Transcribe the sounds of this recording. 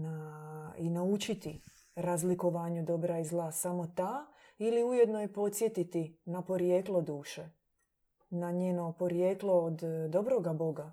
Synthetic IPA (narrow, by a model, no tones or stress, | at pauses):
nainaut͡ʃit̪i | ɾazliko̞ʋaːɲud̪o̞bɾaizlˠaːsamo̞t̪aː | iliujed̪nojepo̞t̪sje̞t̪it̪inapo̞ɾjeːklˠo̞d̪uːʃe | naɲeːno̞po̞ɾjeːklo̞ːd̪d̪o̞bɾo̞ɡabo̞ɡa